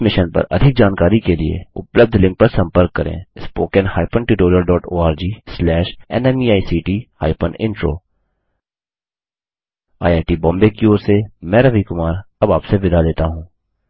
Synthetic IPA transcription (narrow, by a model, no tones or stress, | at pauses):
mɪʃənpɐ̰ɾɐ̰d̪ʱɪk̚d͡ʒaːnkaːɾikeliḛʊ̰pləb̚d̪ʱlɪ̃ŋk̚pɐɾsɐ̃mpəɾkːɐɾḛ̃ːspoːkə̃nhaːɪpənʈuːʈoːɾijəlɖɔːʈoːaːɾd͡ʒiːslɛːʃɛ̰nɛmiːaːisiːʈiːha̰ːɪpənɪ̰̃ɳʈɾo̰ː | a̰ːjaːʈibɔ̃ːmbeːkioːɾsemɛːɾəʋikʊmaːɾɐbaːpseʋɪd̪ʱad̪eːt̪aɦũː